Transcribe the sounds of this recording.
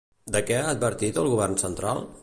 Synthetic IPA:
d̪əkɛaːd̪̚bəɾt̪it̪əlˠɣuβ̞ɛrnsənt̪ɾa̰lˠ

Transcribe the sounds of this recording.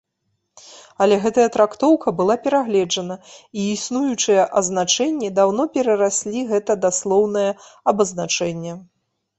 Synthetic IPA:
ɐlʲɛɣɛt̪ɐjɐt̪ɾakt̪ɔwkʰɐbɨlˠapʲɛɾaɣlʲɛd͡ʐɐnɐiːsnujut͡ʂɨjɛʔɐznat͡ʂɛnʲːid̪awnɔpʲɛɾɐɾasʲlʲiɣɛt̪ɐd̪aslˠɔwnɐjɐɐbɐznat͡ʂɛnʲːɛ

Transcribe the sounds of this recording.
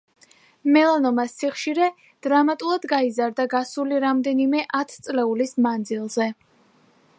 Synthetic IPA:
mɛlˠanɔmasːiχʃiɾɛ | d̪̥ɾamat̪ʼulˠad̪ɡaizaɾd̪aɡasuliɾamd̪ɛnimɛʔat̪ʰt̪sʼlɛulismand̪zilˠzɛ

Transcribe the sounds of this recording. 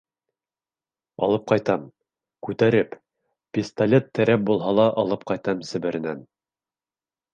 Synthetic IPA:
ɑ̰lˠɤp̚qɑjt̪ɑm | kʉt̪æɾɘp | pʲist̪ɐlʲet̪ːæɾæp̚bulˠɦɑlˠɑʔɑlˠɤp̚qɑjt̪ɑmsɘ̆βɘ̆ɾɘ̆næn

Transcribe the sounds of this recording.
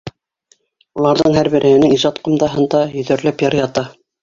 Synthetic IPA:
ulˠɑɾðɤɴhæɾbɘ̆ɾʔɘ̆hɘ̆nɘŋiʒɑt̪qŏmd̪ɑɦɤ̆nd̪ɑjɵ̆ðæ̆ɾlæpjɑɾjɑt̪ɑ

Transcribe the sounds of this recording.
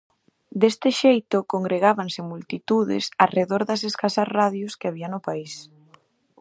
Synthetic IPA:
d̪est̪ɪʃejt̪ʊkoŋɡɾeɣaβansɪmult̪it̪uðɪ̰sareðoɾðɐseskasɐzraðjoskɪaβiɐnʊpais

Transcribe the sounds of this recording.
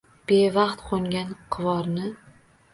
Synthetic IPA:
b̥evɑqt̪qʰoŋɡʲanqʰɨvɒɾnɪ

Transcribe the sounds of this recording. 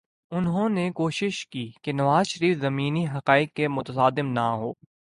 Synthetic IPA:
ʊnɦõnekoːʃɪʃkiːkenɐʋaːzʃɐɾiːfzɐmiːniɦɐqaːɪq̚kemʊt̪əsaːd̪ɪmnaɦoː

